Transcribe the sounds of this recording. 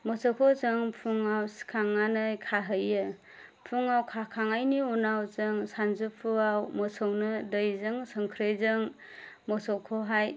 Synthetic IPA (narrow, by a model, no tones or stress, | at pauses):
mɔsɔwkʰɔzɯŋpʰuŋawskʰaŋːanɯjkʰaɦɯjɯ | pʰuŋawkʰakʰaŋajniunawzɯŋsanzupʰuawmɔsəwnɯdɯjzɯŋsɯŋkʰɾɯjzɯŋ | mɔsɔwkʰɔɦaj